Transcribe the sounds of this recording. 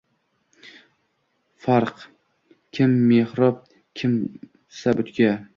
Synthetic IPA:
faɾq | kʲʰɪmːehɾɒp̚ | kʲʰɪm | sabʊt̪kʲa

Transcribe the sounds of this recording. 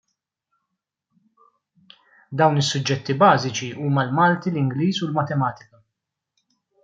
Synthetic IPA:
d̪ɐwnɪsːʊd͡ʒːɛt̪ːibɐːzɪt͡ʃiuːmɐlmɐːlt̪ilɪŋɡliːzulmɐt̪ɛmɐːt̪ɪkɐ

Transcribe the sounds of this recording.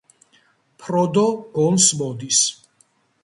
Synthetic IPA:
pʰɾɔd̪ɔɡ̥ɔlsmɔd̪is

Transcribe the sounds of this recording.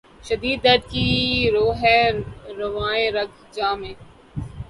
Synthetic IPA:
ʃəd̪iːd̪ːəɾd̪̚kiːɾoːɦɛːɾəʋaːẽːɾɐɡ | d͡ʒaːmẽː

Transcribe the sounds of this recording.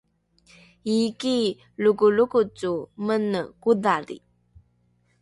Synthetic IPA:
iki | lukulukut͡sːumənːəkud̪adḭ

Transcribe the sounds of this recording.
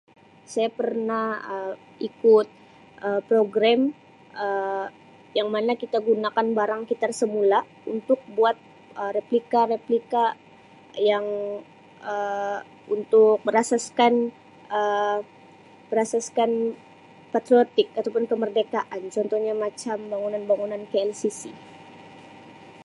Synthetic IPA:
sajapərnahə | ʔikʊt̪̚ | ʔəpɾoɡɾam | ʔə | jaŋmanakit̪aɡunakanbaɾaŋkit̪arsəmula | unt̪ʊk̚buat̪̚ | ʔəreplikaɾeplika | jaŋ | ə | unt̪ʊk̚bəɾasaskan | ʔə | bəɾasaskan | pat̪ɾiot̪ɪkat̪awpʊnkəmərdekaʔant͡ʃɔnt̪ɔhɲamat͡ʃambaŋunanbaŋunankeɛlsisi

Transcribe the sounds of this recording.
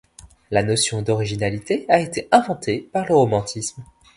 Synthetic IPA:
lanɔsjɔ̃d̪ɔʁiʒinalit̪eaet̪eʔɛ̃vɑ̃t̪epaʁləʁomɑ̃t̪ʰism

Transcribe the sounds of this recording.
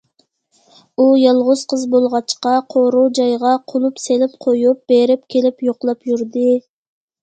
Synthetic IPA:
ujɑlˠʁʊz̥qʰəzbolˠʁɑt͡ʃqɑqʰoɾowd͡ʒɑjʁɑqʰolˠupselɪpqʰojup̚b̥eɾɪp̚kʲʰelɪpjoqlˠɑpjyɾd̪ɪ

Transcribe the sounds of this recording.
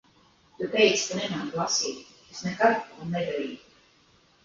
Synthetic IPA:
t̪ut̪ɛjt̪skanɛmanɡlˠasiːt̪ | esnɛkaɾunːɛd̪aɾiːj

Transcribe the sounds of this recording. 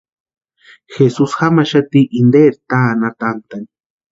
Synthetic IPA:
xesusxamaʃat̪iʔind̪eɾt̪aːnat̪ant̪ani

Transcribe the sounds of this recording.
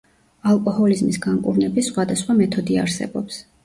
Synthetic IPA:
alˠkʼɔhɔlizmisɡaŋkʼṵɾnɛbisχwad̪asχwamɛt̪ʰɔd̪ia̰ɾsɛ̰bɔ̰ps

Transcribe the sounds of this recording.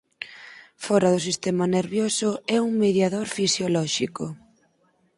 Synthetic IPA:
fɔɾɐðʊsist̪ɛmaneɾβjosʊɛuŋmeðjaðoɾfisjolɔʃikʊ

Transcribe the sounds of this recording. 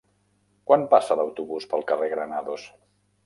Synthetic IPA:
kwanpasələwt̪uβuspəlˠkəreɣɾənaðos

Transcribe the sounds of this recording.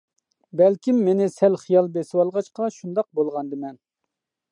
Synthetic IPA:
bɛlkʲʰimːenɪsɛlχijɑlˠbesɪwɑlˠʁɑt͡ʃqɑʃund̪ɑq̚bolˠʁɑnd̪ɨmɛn

